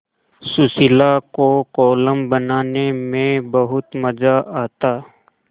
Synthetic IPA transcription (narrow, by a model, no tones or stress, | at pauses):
sʊsɪlakokɔːləmbɐnaːnemẽbɐɦʊt̪mɐd͡ʒaʔaːt̪aː